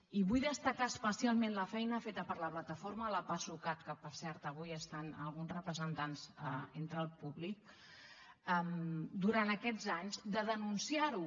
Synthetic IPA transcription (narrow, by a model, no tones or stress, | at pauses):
iβujðəst̪əkaəspəsialˠmenləfɛjnəfet̪əpəɾləplət̪əfoɾmələpasukat̪̚kəpəɾsɛɾt̪əβ̞ujəst̪anə̰lˠɣ̞unzrəpɾəzənt̪anzəent̪ɾəlˠpuβlik̚ | əmd̪uɾant̪əkɛd͡zaɲzd̪əðənunsiaɾu